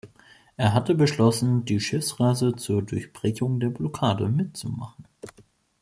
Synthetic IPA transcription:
ʔeːɐɦatəbəʃlɔsn̩diːʃɪfsʁaɪzət͡suːɐdʊɐçb̥ʁ̥ɛçʊŋdeːɐblɔkʰaːdə̰mɪtt͡sṵma̰χn̩

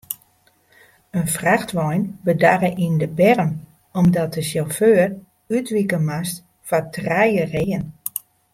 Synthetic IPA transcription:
ənfraxtʋɔjnbədarəʔindəbɛrən | ɔmdɔt̚dəsjɔlˠføːr | ytʋikəmast | fɔtrɛjəreːən

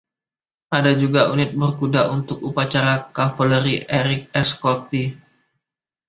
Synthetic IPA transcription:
ʔadad͡ʒuɡaʔunɪt̪̚bərkudaʔunt̪ʊk̚upat͡ʃaɾakafələɾiʔeɾɪk̚ɛskɔt̪i

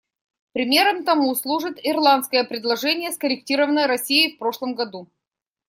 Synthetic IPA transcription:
pɾʲɪmʲe̞ɾəmt̪ɐmuslˠuʐɨt̪ɪrlˠant̪skəjəpɾʲɪd̪lˠɐʐɛnʲɪjəskəɾʲɪk̚tʲiɾəvənəjɾɐsʲijɪfpɾo̞ʂlˠəmɡɐd̪u

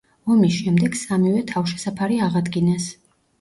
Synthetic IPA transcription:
ɔmisʃɛmd̪ɛɡ̥samivɛt̪ʰafʃɛ̥sapʰaɾiaʁad̪ɡinɛs

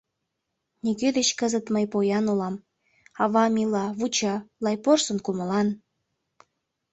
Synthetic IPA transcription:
niɡed̪et͡ɕkəzət̪məjpojɑnulɑm | ɑβɑmʲilɑβut͡ɕɑlɑjporsənkuməlɑn

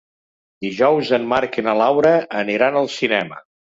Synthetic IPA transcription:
d̪iʒɔwzəmmaɾkenəlawɾəːniɾanəlˠsinɛmə̰

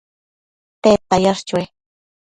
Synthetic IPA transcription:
t̪eːt̪ajaʂt͡ʃwe

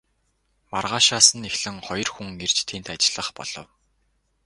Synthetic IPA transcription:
marʁaːʃaːsə̆nexɮɘ̆ŋχɔjɞ̆rxuŋer̥t͡ɕt̪ʰiːnt̪at͡ɕɪ̆ɮə̆χpɔ̰ɮ̥ɞ̆w

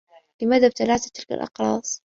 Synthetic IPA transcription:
lɪmaːðab̚t̪alaːt̪at̪ɪlka̰lʔɑ̰qɾˤɑ̰ːsˤ

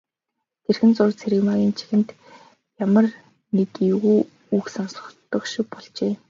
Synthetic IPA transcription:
t̪ʰerxɘ̆nt͡sʊrt͡sʰeɾɘ̆maɣʲiːnt͡ɕʰi̥xɘ̆nt̪ | jamə̆r | net̪uɣuː | uksansʊ̥̆t̪ːɞ̆kʃɪ̆wpɔɮt͡ɕeː

